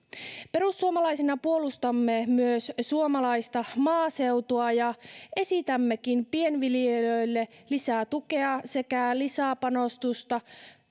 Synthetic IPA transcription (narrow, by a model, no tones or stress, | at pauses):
pe̞ɾusːuomɑlɑjsinɑpuo̞lust̪ɑmːemyøssuomɑlɑist̪ɑmɑːse̞wt̪oɑjɑe̞sit̪æmːekinpienʋiljeløjlːe̞lisæːt̪uke̞ɑse̞kælisæpɑno̞st̪ust̪ɑ